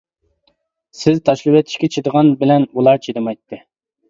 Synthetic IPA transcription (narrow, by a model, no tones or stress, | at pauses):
sɪzt̪ʰɑʃlˠɨwet̪ʰɪ̥ʃkʲɛt͡ʃʰed̪əʁɑnbɪlɛnulˠɑɾt͡ʃʰed̪ɨmɑjt̪ʰːɨ